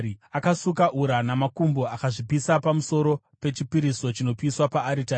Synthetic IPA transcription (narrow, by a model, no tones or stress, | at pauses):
akasukaʔuɾanamakumbo̞akaʐipisapamuso̞ɾo̞ | pe̞t͡ʃipiɾiso̞t͡ʃino̞piswapaːɾita